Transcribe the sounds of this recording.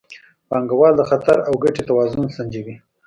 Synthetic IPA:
pɑŋɡawɑld̪əxat̪aɾawɡaʈet̪awɑzʊnsand͡ʒiwi

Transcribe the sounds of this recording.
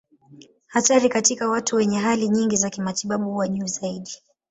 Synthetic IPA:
hataɾikatikawatuwɛɲɛɦaliɲiŋɡizakimatiɓaɓuhuwaʄuːzaiɗi

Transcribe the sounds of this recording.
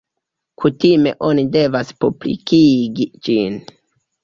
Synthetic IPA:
kʰutime̞̰ʔo̞nide̞vaspublḭkiɡid͡ʒin

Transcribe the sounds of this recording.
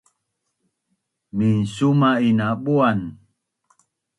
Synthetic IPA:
minsumainaɓuan

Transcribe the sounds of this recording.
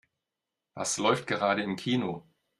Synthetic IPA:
v̥a̰slɔʏftɡ̥əʁaːɾəɪmkʰiːno

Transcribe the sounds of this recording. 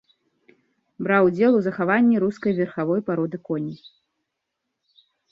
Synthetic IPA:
bɾawd͡zʲɛlˠuzɐxavanʲːiɾuskɐjvʲɛrxavɔjpaɾɔd̪ɨkɔnʲi

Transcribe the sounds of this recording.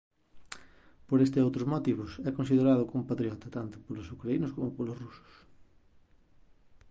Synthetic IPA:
poɾest̪ɪowt̪ɾʊzmot̪iβ̞ʊsɛkõnsið̞eɾað̞ʊkomʊpat̪ɾiɔt̪ɐt̪ant̪ʊ̥polʊsukɾainʊskomʊpolʊsrusʊ̥s

